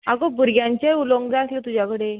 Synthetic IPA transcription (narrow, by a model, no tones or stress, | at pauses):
akobʱuɾɡjãɲt͡ɕeuloŋɡd͡zaəslet̪ud͡ʑakəɽe